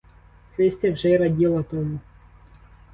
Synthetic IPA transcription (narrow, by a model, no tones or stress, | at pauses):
xɾɪsʲt̪ʲɛwʒɛjɾɐdʲilˠɐt̪ɔmu